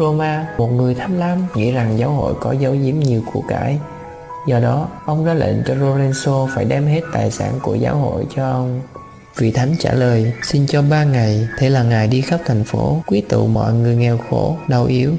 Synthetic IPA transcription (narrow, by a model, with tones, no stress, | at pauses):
o˧maː˧mo˨˩t̚ŋɨ˨˩əjt̪ʰa˨˦mlaː˨˧˦mŋḭ˧˥za˨˩ŋzaː˨˦wɦo̰˧˨jkɔ˨˦zə˨˦wzi˨˦əmɲi˨˩əwku˧˩əkaː˧˩j | zɔ˨˩ɗɔ˨˦ʔə˧wŋ͡mzaː˨˦lḛ˧˨nt͡ɕɔ˧zo˧lɛ˧nso˧faː˧˩jɗɛ˧mɦe˦˥t̚t̪aː˨˩jsa̰ː˧˩nku˧˩əzaː˨˦wɦo̰˧˨jt͡ɕɔ˧ʔə˧wŋ͡m | vḭ˧˨t̪ʰa˨˦jŋ̟t͡ɕaː˧˩ləː˨˩jsi˧nt͡ɕɔ˧ɓaː˧ŋa˨˩jt̪ʰe˧˩laː˨˩ŋaː˨˩jɗi˧xə˦˥p̚t̪ʰa˨˩jŋ̟fo˧˨˦kwi˨˦˥ət̪ṵ˧˨mɔ̰˧˨jŋɨ˨˩əjŋɛ˨˩wxo˧˩ɗə˧˩wʔi˨˦əw